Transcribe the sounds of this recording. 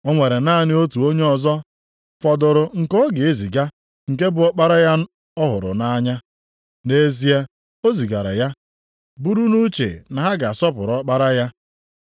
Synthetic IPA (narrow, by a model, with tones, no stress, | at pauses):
ɔ˦ŋʷe˨ɾe˨na˦a˨nɪ˦o˦tu˨o˦ɲe˦ɔ˨zɔ˦ | fɔ˨dʊ˨ɾʊ˨ŋ̩˨kɔ˦ɡe˨e˦zi˨ɡa˦ | ŋ̩˨ke˦bʊ˨ɔ˦k͡pa˦ɾa˦ja˦ | ɔ˦ɦʊ˨ɾʊ̰˨na˦ɲa˦ | ne˦zi˦a˦ | o˦zi˨ɡa˨ɾa̰˨ja˦ | bu˦ɾu˦nu˦t͡ʃḛ˨na˨ɦa˦ɡa˨a˨sɔ˦pʊ˨ɾɔ˦k͡pa˦ɾa˦ja˦